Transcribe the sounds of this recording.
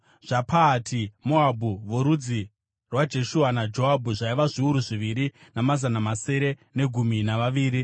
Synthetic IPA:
ʐ̥apʰaːtʰimoabʱuʋoɾud͡zi | rwad͡ʒe̞ʃuanad͡ʒo̞ɦabʱuʐaiʋaʐiuɾuʐiʋiɾinamazanamase̞ɾe̞ne̞ɡʱuminaʋaʋiːɾi

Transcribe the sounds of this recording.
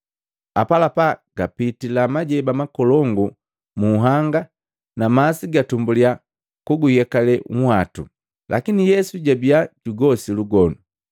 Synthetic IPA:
a̰palapaɡ̥apitilamaɟɛbamakɔlɔŋɡu | muɦaŋɡa | namasiɡatumbulia | kuɡujɛkalɛŋ̩hwatṵ | lʔa̰kinijɛsuɟabiaɟuɡɔsiluɡɔnu

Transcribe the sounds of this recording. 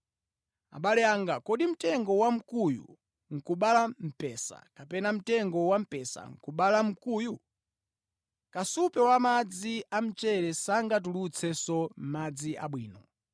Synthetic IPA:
a̰ɓalɛaŋɡakɔɗim̩tɛŋɡɔwam̩kujṵ | ŋ̩kuɓalam̩pɛsa̰kapɛnam̩tɛŋɡɔwam̩pɛsa̰ŋ̩kuɓalam̩kuːju | kasupɛwamad͡ziam̩t͡ʃɛɾɛsaŋɡat̬ulut͡sʰɛsɔm̩mad͡ziʔa̰ɓwiːnɔ

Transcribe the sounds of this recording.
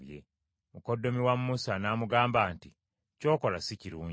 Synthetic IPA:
jḛ | mukodːo̞miwamːusanaːmuɡaːmbaːnti | co̞ːko̞lasiciɾuːɲ

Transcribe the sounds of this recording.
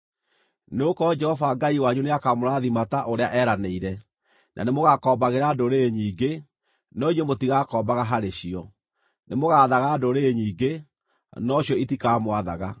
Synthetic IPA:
neokɔd͡ʒɛhɔvaɡaiwaɲuneakamoɾaðimataʔoɾeaʔɛːɾaneiɾɛ | nʔa̰nemoɣakɔːmbaɣeɾadoɾeɲiːɡe | nɔiɲemotiɣakɔːmbaɣaɦaɾeɕiɔ | nemoɣaːðaɣadoɾeːɲiːɡe | nɔɕjɔitikaːmwaða̰ɣa

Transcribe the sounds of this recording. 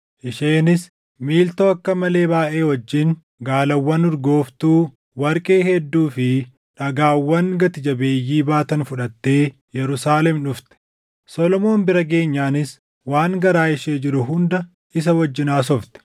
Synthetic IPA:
ʔɪʃeːnɪs | miːlt̪oːɐkːɐmɐle̞ːbaːʔe̞ːwɔd͡ʒːɪn | ɡaːlɐwːɐnʊɾɡo̞ːft̪uː | wɐɾkʼe̞ːhɛd̪ːuːfɪ | ᶑɐɡaːwːɐŋɡɐt̪ɪd͡ʒɐbe̞ːjːiːbaːt̪ɐnfʊᶑɐt̪ːe̞ː | jɛɾʊsaːlɛmᶑʊft̪ɛ̥ | sɔlɔmo̞ːnbɪɾɐɡe̞ːɲːaːnɪs | waːŋɡɐɾaːɪʃeːd͡ʒɪɾʊɦʊnd̪ɐ | ʔɪs̬ɐwɔd͡ʒːɪnaːs̬ɔft̪ɛ̥

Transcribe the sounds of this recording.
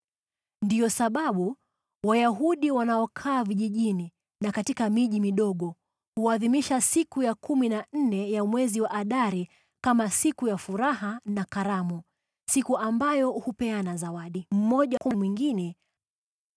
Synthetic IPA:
ndijɔsaɓaɓu | wajaɦuɗiwanaɔkʰaːviʄiʄini | nakatikamiʄimiɗɔɠɔ | huaðimiʃasikujakuminan̩nɛjamwɛziwaʔaɗaɾi | kamasikujafuɾahanakaɾamu | sikuʔambajɔhupɛanazawaɗim̩mɔʄakumwiŋɡinɛ

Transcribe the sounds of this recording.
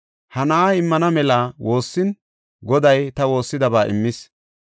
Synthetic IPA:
hɐnɐʔaɪmːɐnɐmɛlaːwo̞ːsːɪn | ɡɔd̪ɐjt̪ɐwo̞ːsːɪd̪ɐbaːʔɪ̰mːɪs

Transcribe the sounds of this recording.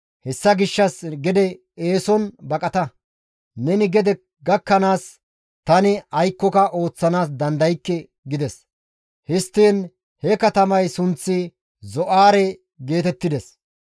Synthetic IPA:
hɛsːɐɡɪʃːɐsɡɛd̪ɛ | eːsɔnbɐkʼɐt̪ɐ | nɛnɪɡɛd̪ɛ | ɡɐkːɐnaːs | t̪ɐnɪɐjkːɔkɐʔo̞ːt͡sːɐnaːs̬d̪ɐnd̪ɐjkːɛ | ɡɪd̪ɛs | hɪst̪ːiːn | hɛkɐt̪ɐmɐjsʊnt͡sːɪ | zɔʔaːɾɛ | ɡe̞ːt̪ɛt̪ːɪd̪ɛs

